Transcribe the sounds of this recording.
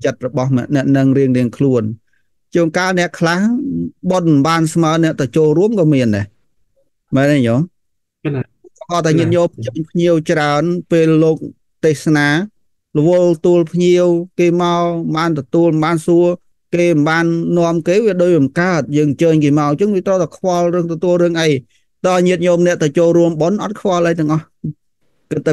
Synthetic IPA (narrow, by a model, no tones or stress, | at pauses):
t͡ɕət̪̚rɔɓɑhmɛ̆əʔnɛ̆əʔnɨŋriəŋriəŋkʰluən | t͡ɕoːŋkaːlnɛ̆əʔkʰlahɓon̚mmɓaːnsmaənɛ̆əʔt̪at͡ɕoːlruəmkɑːmiənɗa | mɛnajoːŋ | ʔɑːt̪aɛŋiət̪̚ɲoːp̚ʰt͡ɕəːɲpʰɲiəwt͡ɕraənpeːlːoːk̚ | t̪eːhsnaː | lə̆ʋʊlt̪uəlpʰɲiəwkeːmaɔɓaːnt̪ɔt̪uəlmnɓaːnsuə | keːmnɓaːnːŏəmkeːʋiəɗoːc̚ɓɑmkaət̪̚jəːŋɲt͡ɕəːɲkeːmaɔɲt͡ɕəŋʋiət̪rəwt̪akʰʋɑlrɨəŋt̪ɔt̪uəlrɨəŋʔəj | t̪aʔɲiət̪̚ɲoːmnɛ̆əʔt̪at͡ɕoːlruəmɓonʔɑt̪̚kʰʋɔɑlʔəjt̪ɛ̆əŋʔɑh | kɨt̪̚ːa